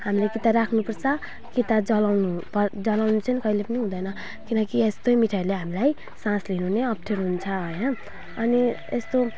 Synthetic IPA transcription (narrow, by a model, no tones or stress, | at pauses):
hamilekit̪aɾakʰnupʌrt͡sʰʌ | kit̪ad͡zʌlawnupʌd͡zʌlawnut͡sʰʌnikʌilepʌniɦũd̪ʌjnʌ | kinʌkiest̪omiʈʰajleɦamilaj | sãslinuɦneʌp̚ʈʰeɾɦunt͡sʰʌʌjnʌ | ʌni | est̪o